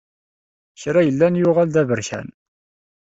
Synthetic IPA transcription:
çɾajəlːænjʊʁæld̪ævəɾçæ̰n

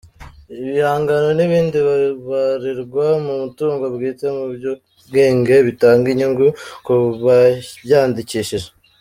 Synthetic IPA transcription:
iβihaːŋɡano̞niβiːndiββaɾiɾɡwamumutuːŋɡobɡiːt͡se̞mubjo | ɡeːŋɡe̞βitaːŋɡiɲuŋɡukuβajaːndiciʃiʒe

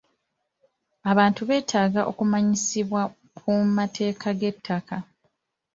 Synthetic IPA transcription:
aβaːntuβe̞ːtʰaːɡaʔo̞̰kumaɲisiβwa | kʰumatʰe̞ːkʰaɡe̞tʰːaka

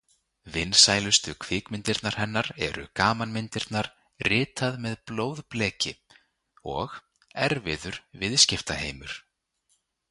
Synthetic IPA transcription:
vɪnːsaːjlʏst̪ʏkʰvɪːkmɪnt̪ɪɾt̪naɾ̥hɛnːaɾɛ̰ɾʏ̰kaːmanmɪnt̪ɪɾ̥t̪naɾ̥ | rɪːt̪aðmɛðploːwðplɛːcɪ | ɔɣ | ɛɾvɪðʏɾ̥vɪðscɪft̪aheːjmʏɾ̥

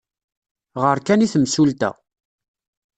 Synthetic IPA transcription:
ʁəɾkæniθəmsult̪æ̰

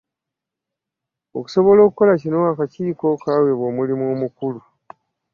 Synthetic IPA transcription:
o̞̰ku̥so̞βo̞lo̞ːkuko̞lacino̞akaciːko̞kaːwe̞βo̞mulimoːmukulu

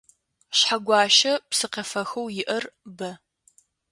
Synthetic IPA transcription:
ɕħaɡʷɑːʃɐpsɨqɐfɐxɐwjɪʔɐrbɐ

